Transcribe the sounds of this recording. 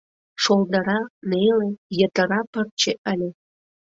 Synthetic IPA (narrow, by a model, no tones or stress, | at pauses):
ʃold̪əɾɑnelejət̪əɾɑpər̚t͡ɕeʔəlʲe